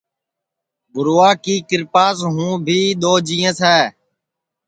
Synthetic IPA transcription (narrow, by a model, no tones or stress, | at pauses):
bʊɾoːaːkiːkɪɾpaːsɦũːbʱiːɗ̪oːd͡ʒĩːə̃ːsɛː